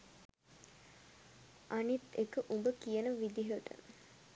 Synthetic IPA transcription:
ʔanit̪ekəʔumbəkijənəʋid̪iɦəʈ̪ə̰

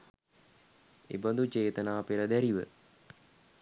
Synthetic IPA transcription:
ḛbənd̪ut͡ʃeːt̪ənaːpeɾəd̪æɾiʋə̰

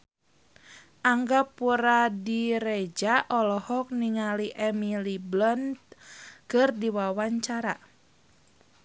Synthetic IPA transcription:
ʔaŋɡapuɾadiɾed͡ʒaʔɔlɔhɔk̚niŋaliʔɛmiliblɔnt̪kɨrdiwawaɲt͡ʃaɾa

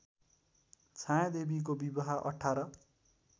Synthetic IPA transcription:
t͡sʰãjãd̪ebik̬obibaɦaʔʌ̰ʈʰːaɾʌ

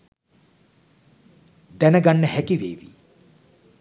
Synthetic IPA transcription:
d̪ænəɡanːəhækiʋḛːʋḭ

